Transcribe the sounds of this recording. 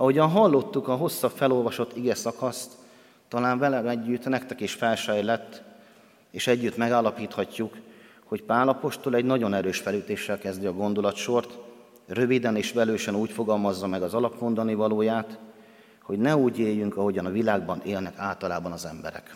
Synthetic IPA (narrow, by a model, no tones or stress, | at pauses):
ɒɦo̞ɟɒnɦɒlːo̞t̪ːukɒɦo̞sːɒbfɛlo̞lvɒʃo̞t̪ːiɡɛsɒkɒst̪ː | ɒlaːɱvɛlɛɛɟːyt̪nɛkt̪ɛkeːʃfɛlʃɛjlɛt̪ː | eːʃɛɟːyt̪mɛɡaːlːɒpiːt̪hɒcːuk | ho̞cpaːlɒpo̞ʃt̪o̞lɛɟnɒɟo̞nɛɾøːʃfɛlyːt̪eːʃːɛlkɛzd̪iɒɡo̞nd̪o̞lɒt̪ʃo̞rt̪ | rø̞vid̪ɛneːʃʋɛløːʃɛnuːcfo̞ɡɒlmɒzːɒmɛɡɒzɒlɒpmo̞nd̪ɒnivɒloːjaːt̪ | ho̞ɟnɛuːɟeːjːyŋkɒɦo̞ɟɒnɒvilaːɡbɒneːlnɛkaːlt̪ɒlaːbɒnɒzɛmbɛ̰ɾɛ̰k